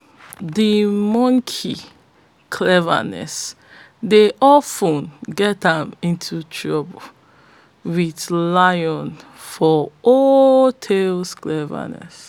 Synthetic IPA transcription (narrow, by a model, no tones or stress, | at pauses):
dəmɔ̃ŋkʰi | kʰlɛvə̰nɛ̰s | deʔɔfə̃nɡɛtãmĩntʰutʰɹɔbə | widlajɔ̃nfɔʔɔtʰelsklɛvə̰nɛ̰s